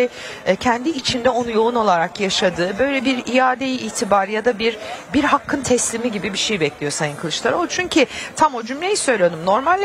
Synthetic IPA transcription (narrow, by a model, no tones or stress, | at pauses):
ɛcʰɛnd̪iːt͡ʃʰind̪ɛo̞nujo̞uno̞lˠaɾakjaʃad̪ɯːbø̞jlʲɛbiɾijaːd̪ejiiːt̪ʰibaɾjad̪abiɾbiɾɦakʰːɯnt̪ʰɛslʲimiɟibibiʃejbɛclʲijo̞sajɯnkʰɯlˠɯʃt̪ˠaɾolˠt͡ʃʰyɲcʰit̪ʰamo̞d͡ʒymlʲejisø̞jlʲijod̪umno̞ɾmalʲː